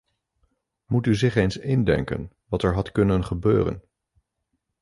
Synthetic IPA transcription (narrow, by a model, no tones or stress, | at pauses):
mutyzɪχejnsɪndɛ̰ŋkə̰n | ʋɑtɛɹɦɑtkɵnənχəbø̰ːrə̰n